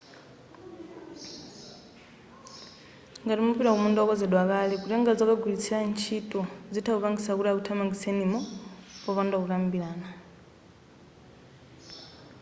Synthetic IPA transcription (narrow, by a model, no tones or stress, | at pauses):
ŋɡatimupiɾakumundʼakɔzɛɗwakalɛkutiŋɡad͡zɔkaɡulit͡sʰilant͡ʃʰitʼɔzitʰakupaŋɡisakuɾiakutʰamaɡisɛnimɔpɔβandakukambilaːna